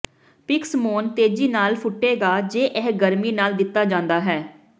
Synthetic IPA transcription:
pɪksmoːnt̪eːd͡ʒiːnaːlpʰʊʈːeːɡaːd͡ʒeːʔɛːɡəɾmiːnaːld̪ɪt̪ːaːd͡ʒãːnd̪aːɦɛː

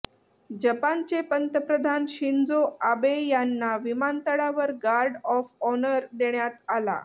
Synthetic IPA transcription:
d͡ʑəpant͡ɕepənt̪əpɾəd̪ʱanɕind͡zoabejanːaʋimant̪əɽaʋəɾɡaɾɖɔfɔnəɾd̪eɳjat̪ala̰

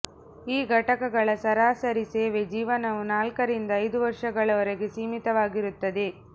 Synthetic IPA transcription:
iːɡʱɐʈɐkɐɡɐɭɐsɐɾaːsɐɾiseːʋed͡ʒiːʋɐnɐʋunaːlkɐɾind̪ɐːjd̪uʋɐɾʂɐɡɐɭɐɔɾeɡesiːmit̪ɐʋaːɡiɾut̪ːɐd̪e

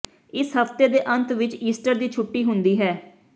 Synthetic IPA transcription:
ɪsɦəft̪eːd̪eːʔə̃nt̪ʋɪt͡ʃiːsʈəɾd̪iːt͡ʃʰʊʈːiːɦʊnd̪iːɦɛː

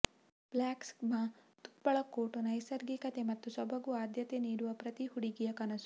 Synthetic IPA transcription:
b̥laːksmaː | t̪u̥pːɐɭɐkːoːʈunɐjsɐɾɡikɐt̪emɐt̪ːusɔbʱɐɡuaːd̪ʱjɐt̪eniːɽuʋɐpɾɐt̪ihuɽiɡijɐkɐnɐsu̥

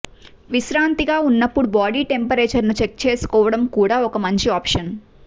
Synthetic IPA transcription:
ʋiʃɾaːnt̪iɡaːunːɐpːuɽubaːɽiːʈe̞mpɐɾeːt͡ʃɐɾnut͡ʃek̚t͡ʃeːsu̥kɔːʋɐɽɐmkuːɽaːɔkɐmɐɲt͡ʃiaːpʂɐn

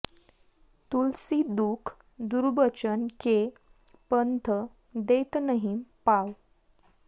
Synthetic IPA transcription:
t̪ulsid̪ukʰ | d̪uɾbət͡ɕənke | pənt̪ʰə | d̪et̪nəɦimpaw

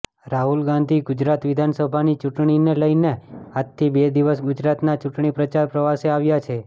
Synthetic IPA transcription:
ɾaɦulɡãnd̪ʱiɡʊd͡ʒɾat̪ʋɪd̪ʱansəbʱanit͡ʃuʈɳ̃ineləjneat̪ʰːibed̪iʋəsɡʊd͡ʒɾat̪nat͡ʃuʈɳ̃ipɾət͡ʃaɾpɾəʋaseaʋjat͡ʃʰe

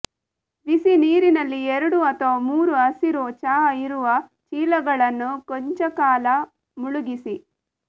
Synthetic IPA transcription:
ʋisiniːɾinɐlːieɾuɽuɐt̪oːmuːɾuɐsiɾuːt͡ʃaːiɾuʋɐ | t͡ʃiːlɐɡɐɭɐnːukoɲt͡ʃɐkaːlɐ | muɭuɡisi

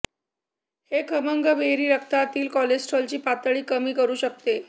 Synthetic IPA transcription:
hekʰəməŋɡəbʱeɦɾiːɾəkʰt̪at̪iːlkɔled͡ʑsʈʰɔlt͡ɕiːpat̪əɭiːkəmiːkəɾuːɕək̚t̪e

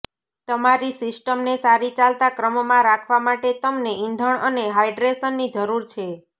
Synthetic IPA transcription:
t̪əmaɾisɪsʈəmnesaɾit͡ʃalt̪akɾəmmãɾakʰʋamaʈet̪əmneind̪ʱəɳəneɦajɖɾesənːid͡ʒəɾuɾt͡ʃʰe

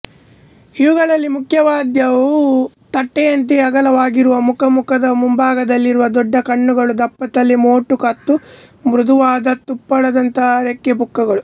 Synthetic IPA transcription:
iʋuɡɐɭɐlːimukʰjɐʋaːd̪jɐʋu | t̪ɐʈːɛjɐnt̪̬iɐɡɐlɐʋaːɡiɾuʋɐmukɐmukɐd̪ɐmumbaːɡɐd̪ɐlːiɾuʋɐd̪ɔɖːɐkɐɳːuɡɐɭud̪ɐpːɐt̪ɐlːimoːʈːukɐt̪ːu | mɾud̪uʋaːd̪ɐt̪upːɐɭɐd̪ɐnt̪ɐɾekːjebukːɐɡɐɭu

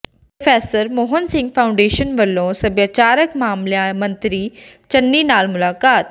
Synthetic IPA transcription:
pɾofeːsəɾmoːɦənsɪ̃ŋɡpʰaʊ̃ɳɖeːʃənʋɐlːõsɐbjat͡ʃaːɾəkmaːmljamɐ̃nt̪ɾit͡ʃɐnːinaːlmʊlaːkaːt̪̚

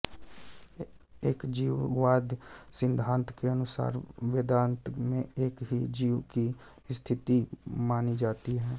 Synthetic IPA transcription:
eːkd͡ʒiːwʋaːd̪sɪ̃nd̪ʱãːnt̪keənʊsa̰ːɾʋeːd̪ãːnt̪mẽeːkɦid͡ʒiːwki | st̪ʰɪt̪imaːnid͡ʒaːt̪iɦɛː

